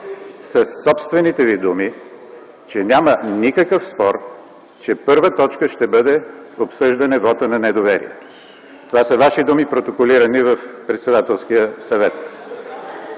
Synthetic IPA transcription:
sɐsːɔpst̪vɛnit̪ɛvid̪umi | t͡ʃɛnʲamənikəkəfspɔɾ | t͡ʃɛpɤɾvət̪ɔt͡ʃkəʃt̪ɛbɤd̪ɛopsɤʒd̪ɐnɛvɔt̪ənɐnɛd̪ovɛɾḭɛ̰t̪ | t̪ovasəvaʃid̪umipɾot̪okoliɾənivɐfpɾɛt̪sɛd̪at̪ɛlˠskijəsɐvɛt̪̚

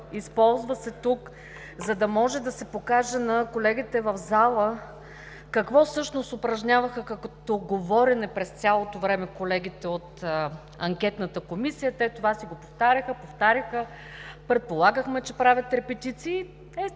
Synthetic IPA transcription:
ispɔlˠzvəsɛt̪uk | zɐd̪ɐmɔʒɛd̪ɐsɛpokaʒɛnɐkolɛɡʲit̪ɛvɐvzalˠə | kɐkvɔfsɤʃnost̪ʊpɾɐʒɲʲavəxəkɐkt̪oɡovɔɾʲɛnɛpɾɛst̪sʲalˠot̪ovɾɛmɛkolɛɡʲit̪ɛot̪ | ɐŋkʲɛt̪nət̪əkomisijət̪ɛt̪ovasiɡopoft̪aɾʲəxəpoft̪aɾʲəxə | pɾɛt̪̚polˠaɡəxmɛt͡ʃɛpɾavʲət̪ɾɛpɛt̪it̪siː | t̪ɛ

